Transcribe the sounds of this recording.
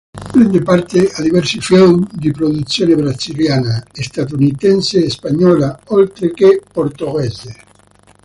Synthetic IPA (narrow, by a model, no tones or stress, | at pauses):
pɾɛnd̪epaɾt̪ead̪ivɛɾsifɛwmd̪ipɾod̪ut̪sːjoːnebɾasiljaːnaest̪at̪̬unit̪ɛnseːspaɲːɔːlaolt̪ɾekepoɾt̪oɣɛze